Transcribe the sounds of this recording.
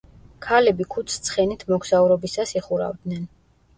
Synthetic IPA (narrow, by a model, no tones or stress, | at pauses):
kʰalɛbikʰut̪sʰt̪sʰχɛnit̪ʰmɔɡz̥auɾɔbisasiχuɾa̰vd̪nɛn